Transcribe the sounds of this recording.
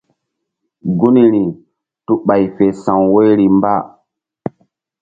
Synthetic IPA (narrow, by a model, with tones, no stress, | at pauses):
ɡu˦ni˦ɾi˨ | tu˦ɓa˨jfe˨sã˨wwo˦jɾi˨mba˦˨